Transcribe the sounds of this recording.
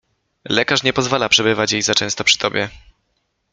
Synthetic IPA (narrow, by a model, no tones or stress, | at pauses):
lɛkaʂɲɛpɔzvalapʂɛbɘvat͡ɕjejzat͡ʂɛ̃w̃st̪ɔpʂɘ̥t̪ɔbʲjɛ